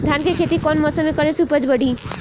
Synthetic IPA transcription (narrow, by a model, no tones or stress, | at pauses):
d̪ʱankekʰet̪ikɔnmɔsəmekəɾesupəd͡ʒbəɽ̤ʱi